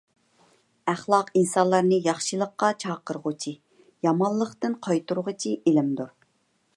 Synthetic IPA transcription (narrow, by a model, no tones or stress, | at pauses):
æχlˠɑqinsɑnlˠɑɾnɨjɑχʃɨlˠəqːɑt͡ʃʰɑːqəɾʁʊt͡ʃʰi | jɑmɑnlˠːəqt̪ɨnqʰɑjt̪uɾʁət͡ʃʰiʔelɪmd̪uɾ